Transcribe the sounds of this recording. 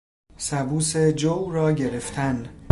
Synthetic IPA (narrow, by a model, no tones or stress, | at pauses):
sæbuːse̞d͡ʒowɾɒːɟe̞ɾeft̪ʰæn